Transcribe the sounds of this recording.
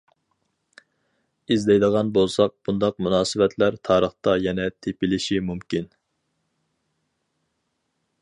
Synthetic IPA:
izd̪ɛjd̪əʁɑnbolˠsɑq̚b̥und̪ɑq̚munɑːsɨvɛt̪ʰlæɾt̪ʰɑːɾəχt̪ɑjɛnɛt̪ʰepɪlɪʃimumkʲin

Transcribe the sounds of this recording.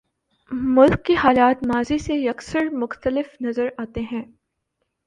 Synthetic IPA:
mʊlkːehaːlaːt̪maːzisejɐksəɾmʊxt̪əlɪfnɐzəɾaːt̪eɦɛ̃ː

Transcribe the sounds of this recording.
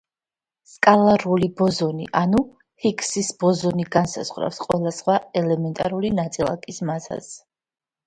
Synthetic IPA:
skʼalˠaɾulibɔzɔniʔanu | hikʰsisbɔzɔniɡansa̰zʁɾa̰fsqʼwɛlˠasχwaɛlɛmɛnt̪ʼaɾulinat̪sʼilˠa̰kʼismaza̰z

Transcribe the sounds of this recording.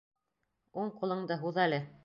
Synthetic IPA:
uɴqulˠɤ̆ɴd̪ɤɦuðælɘ

